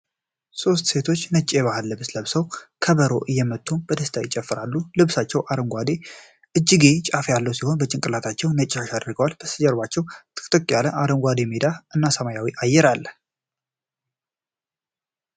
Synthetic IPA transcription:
so̞st̪se̞t̪ʰo̞t͡ʃːnət͡ʃʼːeβahɨlːɨβsləβsəwkʰəβəɾo̞ʔɨjːɛmət̪ʰʼːunbəd̪əst̪ʰajɪt͡ʃʼːɛfːɨɾalːulɨβsat͡ʃːɛwʔaɾəŋɡʷad̪e | ʔɨd͡ʒːɪɡet͡ʃʼafjalːəwsiho̞nbət͡ʃʼɪŋkʼɨlat̪ʰat͡ʃːɛwnət͡ʃʼːaʃad̪ɾɡəwalb̥əsɨd͡ʒəɾbat͡ʃːɛwt̪ʰɨ̥kʰt̪ʼɨkʼːjaləʔaɾəŋɡʷad̪emed̪aɨnːasəmajawiʔajːɛɾalː

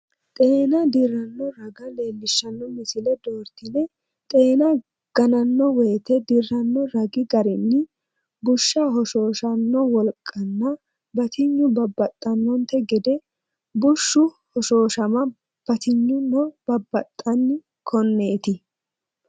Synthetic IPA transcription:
t̪ʼe̞ːnɐd̪ɪrːɐnːɔɾɐɡɐleːlːɪʃːɐnːɔmɪsɪlɛd̪oːɾt̪ɪlɛ | t̪ʼe̞ːnɐ | ɡ̥ɐnɐnːɔwɛːt̪ɛd̪ɪrːɐnːɔɾɐɡɪɡɐɾɪnːɪ | bʊʃːɐɦɔʃo̞ːʃɐnːɔwɔlkʼːɐnːɐ | bɐt̪ɪɲːʊbɐbːɐt̪ʼːɐnwɔnt̪ːɛɡɛd̪ɛ | bʊʃːʊ | hɔʃoːʃɐmɐ | b̥ɐt̪ɪɲːʊnːɔb̥ɐbːɐt̪ʼːɐnːɪ | kʰɔnːe̞ːt̪ɪ

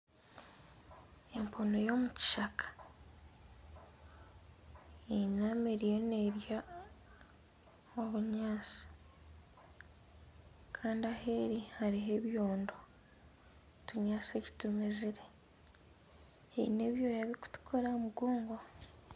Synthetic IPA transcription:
e̞mpʰonojo̞ːmuci̥ʃakʰḁ | enameɾijo̞neɾja | oβuɲaːsi̥ | kʰaːndiahe̞ɾihaɾiɦe̞βjoːndo | tuɲaːseci̥tumeziɾe̞ | eine̞βjo̞ːjaβiku̥tu̥kʰoɾamuɡuːŋɡo

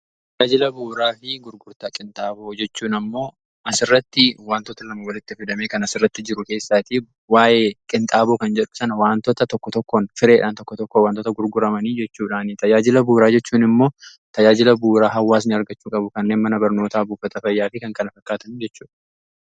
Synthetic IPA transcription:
t̪ɐjaːd͡ʒɪlɐbuːɾaːfɪɡʊɾɡʊɾt̪akʼɪnt̪ʼaːboːd͡ʒɛt͡ʃːuːnɐmːo̞ː | ɐsɪrːɐt̪ːɪwaːnt̪ɔt̪ɐlɐmɐwɐlɪt̪ːɪfɪd̪ɐmeːkɐnɐsɪrːɐt̪ːɪd͡ʒɪɾʊke̞ːsːaːt̪i | waːjeːkʼɪnt̪ʼaːboːkɐnd͡ʒɛᶑʊsɐnɐwaːnt̪ɔt̪ɐt̪ɔkːɔt̪ɔkːonfɪɾeːᶑaːnt̪ɔkːɔt̪ɔkːowaːnt̪ɔt̪ɐɡʊɾɡʊɾɐmɐniːd͡ʒɛt͡ʃːuːᶑaːnɪt̪ɐjaːd͡ʒɪlɐbuːɾaːd͡ʒɛt͡ʃːuːnɪmːo̞ː | t̪ɐd͡ʒaːd͡ʒɪlɐbuːɾaːɦɐwːaːs̬nɪɐɾɡɐt͡ʃːuːkʼɐbʊkɐnːe̞ːnmɐnɐbɐɾno̞ːt̪aːbuːfɐt̪ɐfɐjːaːfɪkɐŋkɐnɐfɐkːaːt̪ɐnd͡ʒɛt͡ʃːuːᶑɐ

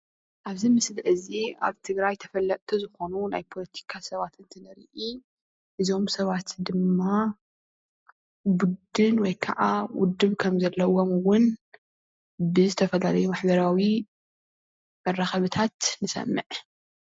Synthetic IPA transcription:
ʔaβzimɨslʕɨzia̰βt̪ʰɨɡɾajt̪ʰɐ̥fɐlːɐʔʼt̪ʰuzɨxo̞nunajpʰo̞lɐt̪ʰi̥kʰasɐβat̪ɨnt̪ʰɨnɐɾḭʔi | ʔɨzo̞msɐβat̪d̪ɨmːa | bud̪ɨnwɔjkʰɐ̰ʔawʊ̰d̪ːɨβkʰɐmzɐlːɐwomɨwʊn | bɨzɨt̪ʰɐfɐlalɐjumaħbɐɾawi | mɐrːaxɐβɨt̪ʰat̪nɨsɐ̰mːɨʕ

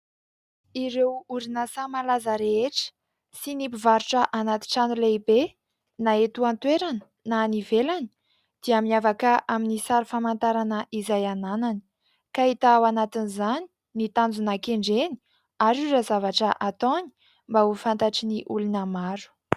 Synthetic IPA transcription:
iɾewuɾinəsamalazəɾeeʈ͡ʂə̥ | sinipivaɾuʈ͡ʂəʔanat̪i̥ʈ͡ʂanuleibe | naet̪uant̪weɾanə̥ | nanivelani̥ | d̪̥iaminavakəʔaminisaɾufamant̪aɾanəʔizajananani̥ | kait̪aawanat̪inizani̥ | nit̪and͡zunakeɳɖ͡ʐeni̥ | aɾuɾazavaʈ͡ʂəʔat̪oni̥ | mbaufant̪aʈ͡ʂiniʔulunəmaɾu̥

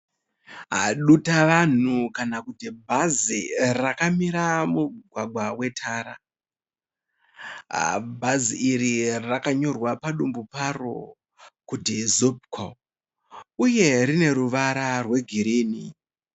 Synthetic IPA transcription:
ɦa̰ɗutaʋan̤ukanakutibʱazirakamiɾamuɡʱwaɡwawe̞tʰaːɾa | bʱaziirirakaɲo̞rwapaɗumbuparo̰ | kutizob̚kʰo | uje̞ɾine̞ɾuʋaɾarwe̞ɡʱiɾiːni

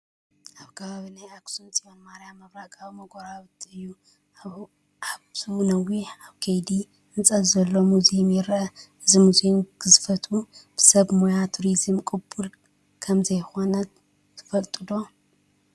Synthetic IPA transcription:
ʔaβkʰɐβaβinajaksunt͡sʼijonmaɾjamɐβɾaɡʼawimɐɡoɾaβɨt̪ʰːiɨjːu | aβ | ʕaβsʰunɐwiħaβkʰɐjd̪i | ɨnt͡sʼɐzɐlːo̞muzimjɛɾʔɐɨzimuzimɡɨzɨfɐt̪ʰub̥ɨ̥sɐβmojat̪ʰuɾizɨmkʼɨbːuɾ | kʰɐmzɐjxo̞nɐ | t̪ʰɨ̥fɐlt̪ʼɨd̪o̞

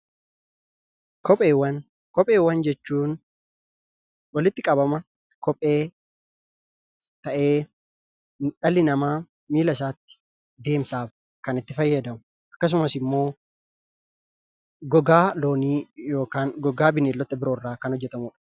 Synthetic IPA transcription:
kɔpʼeːwːɐn | kɔpʼeːwːɐnd͡ʒɛt͡ʃːuːn | wɐlɪt̪ːɪkʼɐbɐmɐ | kɔpʼe̞ː | t̪ɐʔeː | ᶑɐlːɪnɐmaː | miːlɐs̬aːt̪ːɪ̥ | d̪e̞ːmsaːf | kɐnɪt̪ːɪfɐjːɐd̪ɐmʊ | ʔɐkːɐs̬ʊmɐsɪmːo̞ː | ɡɔɡaːlo̞ːniːjo̞ːkaːŋɡɔɡaːbɪneːlːɔt̪ːɐbɪɾoːrːaːkɐnhɔd͡ʒːɛt̪ɐmuːᶑɐ̥

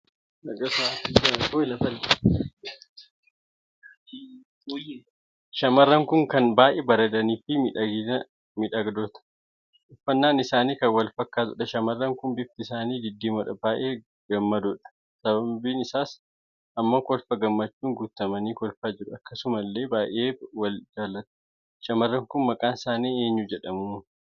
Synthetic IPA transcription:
ɐɡɐsakːɪsɐkoːɪlɐfɐl | ʃɐmɐrːɐŋkʊŋkɐnbaːʔeːbɐɾɐd̪ɐniːfɪ | mɪᶑɐɡd̪oːt̪ɐ̥ | ʔʊfːɐnːaːnɪsaːniːkɐwɐlfɐkːaːt̪ʊᶑɐʃɐmɐrːɐŋkʊnbɪf̚t̪ɪɪsaːniːd̪ɪd̪ːiːmɔᶑɐbaːʔeː | ɡ̥ɐmːɐd̪ʊᶑɐ̥ | sɐbɐbiːnɪsaːs | ʔɐmːɐkɔlfɐɡɐmːɐt͡ʃːuːŋɡuːt̪ːɐmɐniːkɔlfaːd͡ʒɪɾʊɐkːɐsʊmɐlːe̞ːbaːʔeːwɐld͡ʒaːlːɐt̪ʊ̥ | ʃɐmɐrːɐŋkʊnmɐkʼaːnɪsaːniːe̞ːɲːud͡ʒɛᶑɐmu

